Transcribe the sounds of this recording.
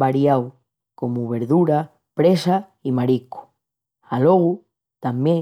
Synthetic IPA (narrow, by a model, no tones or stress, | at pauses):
baɾjaw | komuβ̞eɾðuɾa | pɾesa | imaɾiku̥ | aloɣu | t̪ambje